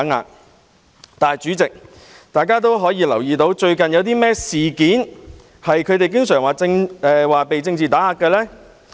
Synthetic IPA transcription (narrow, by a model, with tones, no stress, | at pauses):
ŋa̰ː˧˩k | t̪aː˨jt͡ʃyː˨˥t͡sɪ˨k̚ | t̪aː˨jkaː˥t̪̬o˥wɦɔː˨˥jiː˧lɐ˨˩wjiː˨t̪o˨˧˥wt͡ʃɵ˧ɥkɐ˨njɐ˨˧wt̪iː˥mɛː˥siː˨kiː˨˥n | hɐ˨jkʰɵ˨˧t̪e˨jk̬ɪ˥ŋsœː˨˩ŋwaː˨t͡sɪ˧ŋɛː˨˧waː˨pe˨jt͡sɪ˧ŋt͡siː˨t̪aː˨˥haː˧kːɛː˧lɛː˥